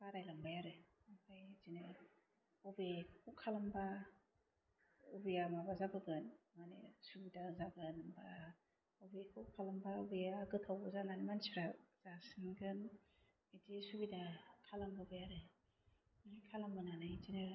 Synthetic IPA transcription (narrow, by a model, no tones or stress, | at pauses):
baɾajlambajaɾɯ | apʰajzinɯ | ɔbekʰukʰalamba | ubijamabazabɯɡɯnmanḛsubidazaɡɯnmba | ɔbekʰukʰalambaubijaɡɯtʰawbɯzananemansiɾaz̥asɯnɡɯn | idisubidakʰalambabajaɾɯ | nikʰalambananajzinɯ